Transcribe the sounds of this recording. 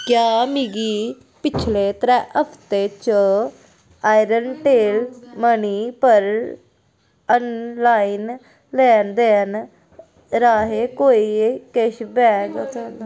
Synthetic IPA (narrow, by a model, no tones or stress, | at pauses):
kjaːmiɡiː | pɪt͡ʃʰleːt̪əɾɛ̃ːʔəpʰt̪eːt͡ʃə | aːiɾənʈeːlməniːpəɾ | ənlaːiːn | lɛːnd̪eːn | ɾaːɦeːkoːiːkeʃbɛːɡ